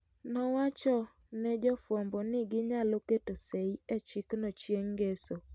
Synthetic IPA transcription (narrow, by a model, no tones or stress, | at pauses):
nɔwat͡ʃɔnɛd͡ʒɔfɔmbɔnɪɡɪɲaloketoseiɛt͡ʃiknɔt͡ʃjeŋɡeso